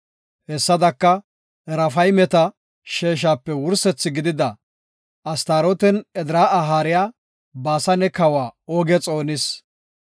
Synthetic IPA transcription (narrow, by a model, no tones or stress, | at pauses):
hɛsːɐd̪ɐkːɐ | ɾɐfɐjmɛt̪ɐ | ʃeːʃ̬aːpːɛwʊɾsɛt͡sːɪɡɪd̪ɪd̪ɐ | ɐst̪aːɾɔt̪ɛnɛd̪ɪɾaːɐɦaːɾɪjaː | baːsɐnɛkɐwaːoːɡɛt͡sʼo̞ːnɪs